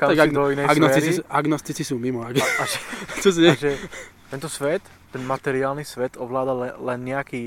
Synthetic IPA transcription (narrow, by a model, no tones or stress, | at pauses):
kaaɡad̪ɔinɛjaɡnɔɛt̪iɾt͡sisʔaɡnɔst̪it͡sisuːmimɔaɡaʒɛt͡ʃɔs̬ɛʒɛt̪ɛnt̪ɔsʋɛt̪ːɛnmat̪ɛɾɪaːlnisʋɛt̪ɔʋlaːd̪allɛnɲɛakiː